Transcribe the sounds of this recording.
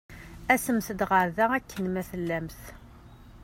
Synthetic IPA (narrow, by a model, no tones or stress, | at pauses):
æsəmθəd̪ʁəɾðæækːənmæθəlːæmθ